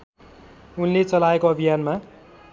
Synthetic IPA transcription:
unlet͡sʌlaekoʌbʱijanma

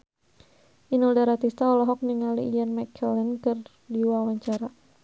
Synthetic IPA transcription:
ʔinuldaɾat̪ist̪aɔlɔɦɔk̚niŋalilanmakʰɛlɛnkɨr | diwawaɲt͡ʃaɾa

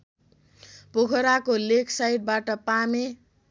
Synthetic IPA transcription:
pokʰʌɾakolekʰsajʈ̚baʈʌpame

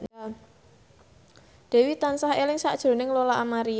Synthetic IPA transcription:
d̥ɛ̤wit̪ansaɦelɪŋsaʔd̥ʒ̥ɾo̤nɪŋlolaʔamaɾi

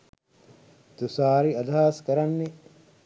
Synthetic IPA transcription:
t̪usaːɾiɐd̪ʱaːskɐɾɐnːi

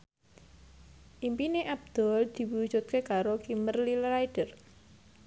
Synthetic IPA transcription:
ʔimpineʔab̚d̪̥ɔ̤ld̪̥i̤wu̥d͡ʒut̪̚kekaɾokimərlilrajɖ̥ər

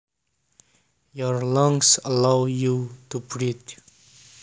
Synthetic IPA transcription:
jɔɹlʌ̃ŋsəlawjutubɹit

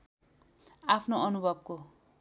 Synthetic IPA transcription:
apʰnoʌnubʱʌbko

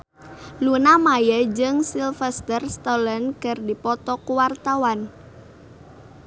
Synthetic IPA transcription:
lunamajəd͡ʒɨŋsilfɛst̪ərst̪ɔlənkɨrdipɔt̪ɔkuwart̪awan

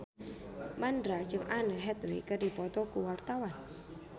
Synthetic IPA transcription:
mandɾḁd͡ʒɨŋʔanəɦɛt̪wekərdi̤pɔt̪ɔkuwart̪awan

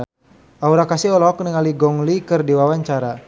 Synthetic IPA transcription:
auɾakasiɦɔlɔɦɔknəŋaliɡɔŋlikɨrdiwawaɲt͡ʃaɾa

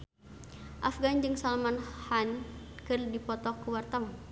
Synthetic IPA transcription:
ʔafɡand͡ʒɨŋsalmanhankɨrdipɔt̪ɔkːuwart̪awa

